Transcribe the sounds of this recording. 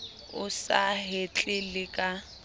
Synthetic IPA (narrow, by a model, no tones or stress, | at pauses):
ʊsa̰ɦet͡ɬʼɪlɪkʼa